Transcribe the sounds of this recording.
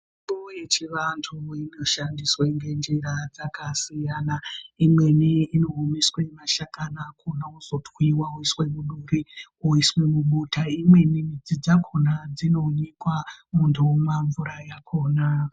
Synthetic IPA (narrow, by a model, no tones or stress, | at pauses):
miɓuje̞t͡ʃiʋantʰuino̞ʃandisweŋɡe̞nd͡ʒiɾad͡zakasijanaimwe̞niino̞ɦumiswemaʃakanakʰunauz̥o̞twiwauiswe̞muɗuɾiuiswe̞muɓutaimwe̞nimid͡zid͡zakʰonad͡zino̞ɲikwamuntʰumaɱvuɾajakʰo̞ːna